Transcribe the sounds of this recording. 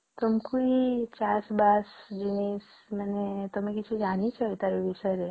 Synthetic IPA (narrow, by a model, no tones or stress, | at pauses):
t̪əmkuit͡ʃasbasd͡ʒinis | mənet̪əmekit͡ʃʰud͡ʒaɽ̃it͡ʃʰɔjt̪aɾiʋiʃəɾe